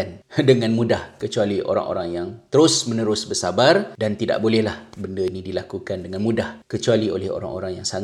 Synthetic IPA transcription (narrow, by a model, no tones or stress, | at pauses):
andəŋãnmũdahkət͡ʃualiʔo̰ɾa̰ŋʔo̰ɾaŋjaŋt̪əɾʊsmə̃nəɾʊsbərsabardant̪ida̰ʔbolɛhlahbəndəinĩdilakukandəŋãnmũdahkət͡ʃualio̰lɛho̰ɾa̰ŋʔo̰ɾaŋjaŋsaŋ